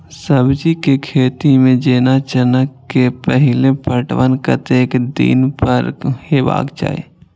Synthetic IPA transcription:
səbd͡ʒikekʰeːt̪imẽd͡ʒeːnat͡ʃənəkːepəɦɪlepəʈʋənkə̰t̪eːkd̪ḭːnpəɾheːʋa̰ːɡd͡ʒa̰ːḛː

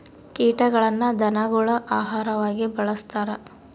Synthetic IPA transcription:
kiːʈɐɡɐɭɐnːɐd̪ɐnaɡuɭɐʔaːɦaːɾɐʋaːɡibɐɭɐst̪aːɾɐ

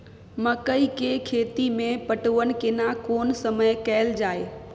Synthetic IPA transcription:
mɐkəikekʰeːt̪imẽpɐʈoʋənɪ̆kɪnakoːnsɐməjkɛːɪld͡ʒaːe

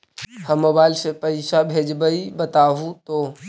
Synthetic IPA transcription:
həmobajlsẽpəɪsabʱed͡ʒbəibət̪aɦũt̪o

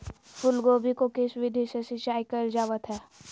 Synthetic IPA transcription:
fʰʊlɡoːbʱikokeːsʋɪd̪ʱisesɪt͡ʃaːikəɪɾld͡ʒaːʋət̪ɦɛː

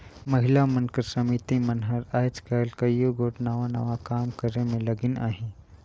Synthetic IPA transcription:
mɐɦɪlamɐnkəɾsɐmiːt̪imɐnɦəɾaːjt͡ʃkaːlkajuɡoːʈnaːʋana̰ːʋakaːmkəɾemẽlɐɡɪna̰ːɦĩ

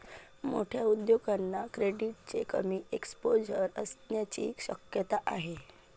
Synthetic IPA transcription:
mo̰ʈʰjaud̪joɡanːakɾeɖiʈ̚t͡ɕekə̰miːekspod͡ʑəɾəst̪njat͡ɕḭːɕə̰kjət̪aʔaɦe

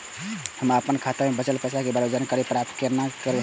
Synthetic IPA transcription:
həməpənkʰat̪əɾmebət͡ʃəlpət͡ʃʰakebɾod͡ʒənkəɾepɾap̚t̪kəɾnakəɾe

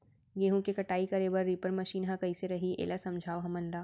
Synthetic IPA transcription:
ɡeːɦõkekɐʈaːikɐɾeːbɐɾːiːpəɾmɐʃiːnɦãkɐiseɾɐɦiʔḛːlasɐ̃md͡ʒʱaːoɦɐmə̃nd̪aː

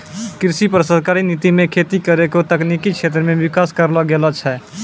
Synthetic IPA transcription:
kɾsipɾəsəd̪ʱkaɾinit̪imekʰet̪ikəɾekot̪əknikit͡ʃʰet̪ɾəmeʋikaskəɾləɡelət͡ʃʰɛ

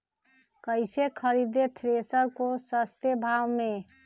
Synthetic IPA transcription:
kəɪsekʰəɾid̪et̪ʰɾesəɾkosəst̪ebʱawme

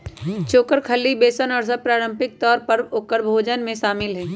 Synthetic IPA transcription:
t͡ʃoːkəɾkʰɐlːibeːsənɔːɾsəpɾaːɾə̃mpɪk̚t̪ɔːɾpɐɾʊkəɾbʱoːd͡ʒənmẽʃaːmɪlɦɛː

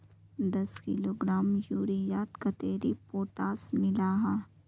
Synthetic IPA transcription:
d̪ɐskḭloːɡɾaːmjuːɾijaːt̪kat̪eːɾipoːʈaːsmɪlaːɦa

